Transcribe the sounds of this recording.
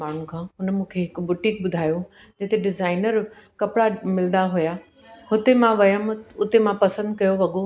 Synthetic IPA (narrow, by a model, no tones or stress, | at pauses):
aːɽ̤ũkʰãːɦʊnmũːkʰeɦɪkbʊʈɪ̃kbʊd̪ʱaːjo | d͡ʑɐɦt̪eɖɪzaːɪnəɾkɐpɽamɪlnd̪aɦʊja | hʊt̪emãʋɐjəmʊt̪emãpɐsə̃nd̪̚kɐjoʋɐɠo